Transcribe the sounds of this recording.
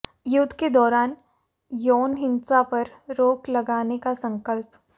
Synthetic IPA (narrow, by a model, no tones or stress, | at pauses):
jʊd̪ʱːked̪ɔːɾaːn | jɔːnɦɪnsapɐɾɾoːklɐɡaːnekasɐ̃ŋkəlp